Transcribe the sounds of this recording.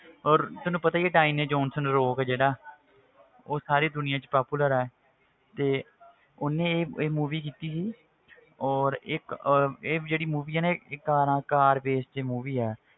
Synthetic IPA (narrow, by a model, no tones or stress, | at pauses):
ɔːɾt̪ʊnũːpət̪aːieːʈaːiːmneːd͡ʒɔːnsənɾoːkɛːd͡ʒeːɽaː | oːsaːɾiːd̪ʊnɪjãːt͡ʃpaːpuːləɾɛːɛ | t̪eː | ʊnẽːeːeːmuːʋiːk̬iːt̪iːsiː | ɔːɾɪkeːd͡ʒeːɽiːmuːʋiːaːneɪkːaːɾãːkaːɾbeːsd͡ʒeːmuːʋiːɛː